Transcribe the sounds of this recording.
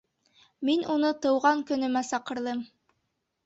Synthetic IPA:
minunɤt̪ɤ̆wʁɑŋkɵ̆nɵ̆mæsɑqɤ̆ɾðˠɤm

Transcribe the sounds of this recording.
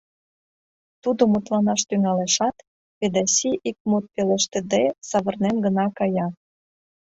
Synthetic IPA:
t̪ud̪omut̪lɑnɑʃt̪yŋɑleʃɑt̪ | ped̪ɑsiʔik̚mut̪̚pelĕʃt̪ĕd̪esɑβɤ̆rnemɡə̆nɑkɑjɑ

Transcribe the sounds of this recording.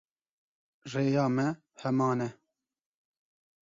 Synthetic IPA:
reːjɑːmɛ | hɛmɑːnɛ

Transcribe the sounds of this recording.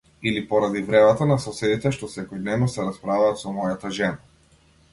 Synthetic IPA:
ilipɔɾad̪ivɾɛmat̪anasɔsɛd̪it̪ɛʃt̪ɔsɛkɔjd̪nɛvnɔsɛɾaspɾavaːt̪sɔmɔjat̪aʒɛna

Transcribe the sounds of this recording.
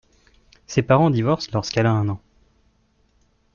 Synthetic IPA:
sepaʁɑ̃d̪ivɔʁslɔʁskɛlaɛ̃nɑ̃

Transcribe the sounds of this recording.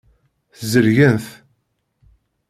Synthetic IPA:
θzəɾʝənθ

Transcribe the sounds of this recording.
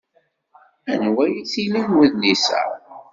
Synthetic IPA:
ænwæjiθilinwəðlisæ̰

